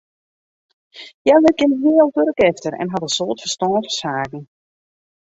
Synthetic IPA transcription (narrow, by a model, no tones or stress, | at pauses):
jaləɡɪnɦiəlˠdøɾəkɛftərɛ̰nɦɑdəsoːtfərstɔːntfəsaːkn̩